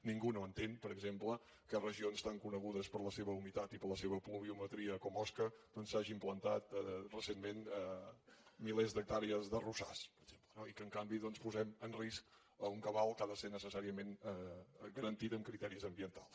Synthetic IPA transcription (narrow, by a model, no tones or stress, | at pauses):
niŋɡunoənt̪enpəɾəɡzemplə | kərəʒionst̪aŋkunəɣuðəspəɾləseβəumit̪at̪ipəɾləseβəpluβ̞iumət̪ɾiəkɔmɔskəd̪̥ɔnsaʒiːmplənt̪at̪̚rəsenmenɛ | milɛzd̪ək̚t̪aɾiəzðərusa̰spəɾəɡʒ̥emplənoikəŋkambiðɔnspuzɛmənrisk | əuŋkəβalˠkaðəsenəsəsaɾiəmenɛɡəɾənt̪it̪əmkɾit̪ɛɾizəmbiənt̪alˠs